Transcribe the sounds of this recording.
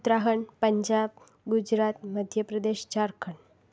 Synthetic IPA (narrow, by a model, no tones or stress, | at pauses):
t̪ɾaɦəɳpəɲd͡ʑab̚ | ɡud͡ʑɾat̪məd̪ʱjəpɾəd̪eɕt͡ɕaɾkʰəɳ